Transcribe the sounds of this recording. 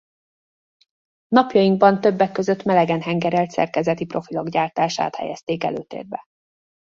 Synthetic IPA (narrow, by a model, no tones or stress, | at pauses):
nɒpjɒjiŋɡ̚bɒnt̪ø̞bːɛkːø̞zø̞t̪mɛlɛɡɛnɦɛŋɡɛɾɛlt̪sɛ̰rkɛzɛt̪ipro̞filoɡɟaːrt̪aːʃa̰ːt̪hɛ̰jɛst̪eːkɛ̰lø̰ːt̪ḛːrbɛ